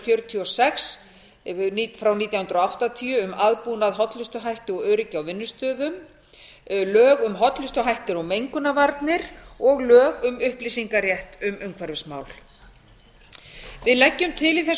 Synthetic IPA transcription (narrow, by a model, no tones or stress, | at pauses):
fjœɾʏt̪ʰiɔsɛxs | fɾawniːt̪jawhʏnt̪ɾɔawht̪at̪ʰiʏʏmaðpunaðɦɔt̪lʏst̪ʏɦajht̪ɪɔɣœːɥɾɪcawvɪnːʏst̪œːðʏm | lœːɣʏmɦɔt̪lʏst̪ʏɦajht̪ɪɾɔɣmejŋkʏnavaɾt̪nɪɾɔɣlœːɣʏmʏhplisiŋkaɾjɛht̪ʏmœŋkʰvaɾvɪsma̰ːwl̥ | vɪðlɛcːʏmt̪ʰɪlɪθɛs